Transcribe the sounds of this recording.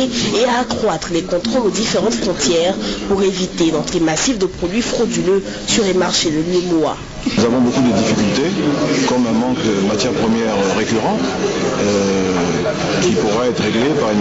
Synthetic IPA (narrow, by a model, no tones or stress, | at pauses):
eaːkχwat̪χəlekɔ̃t̪χolod̪ifeʁɑ̃t̪fχɔ̃t̪jɛʁpuʁevit̪ed̪ɑ̃t̪lemasifd̪əpχod̪ɥifχod̪ylø | syʁlemaʁʃeləljømoa̰ | uzavɔ̃bokud̪əd̪ifikʲylt̪ekɔmɛ̃mɑ̃kəmat̪jɛʁpχəmjɛʁʁekʲyʁɑ̃t̪ø | kipuʁɛɛt̪χʁeɡlepaʁyn